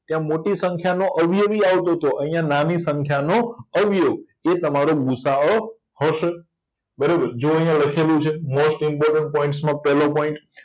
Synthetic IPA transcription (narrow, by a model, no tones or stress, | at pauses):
t̪jãmoʈisə̃ŋkʰjanoʔəʋʱijəʋiaʋt̪ot̪oʔəɦĩjãnanisə̃ŋkʰjanoəʋjoɡ̚ | et̪əmaɾoɡusao | həʃe | bəɾebəɾd͡ʒoəjãləkʰelũt͡ʃʰemosʈɪmpɔɾʈəɳʈ̚pɔĩɳʈsmãpɛlõpɔ̃ĩɳʈ